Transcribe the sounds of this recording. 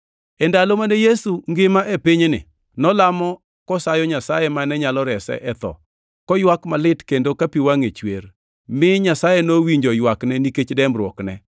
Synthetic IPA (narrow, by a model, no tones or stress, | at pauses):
ɛndalomanejesuŋɡɪmaʔepɪɲnɪ̰ | nɔlamɔ | kɔsajɔɲasajɛmanɛɲalɔɾɛsɛ̰ʔɛt̪ɔ̰ | kɔjwakmalɪtkendokapiwaŋet͡ʃwer | mɪɲasajenowiɲd͡ʒojwaknɛniket͡ʃdɛmɾwɔknɛ